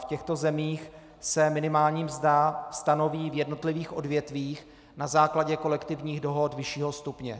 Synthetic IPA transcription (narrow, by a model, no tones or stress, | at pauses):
fcɛxt̪o̞zɛmiːx | sɛmɪnɪmaːlɲiːmzdast̪ano̞viːvjɛdno̞t̪lɪviːxʔo̞dvjɛt̪viːx | nazaːklaɟɛko̞lɛkt̪ɪvɲiːɣdo̞ɦo̞t̪vɪʃiːɦo̞st̪upɲɛ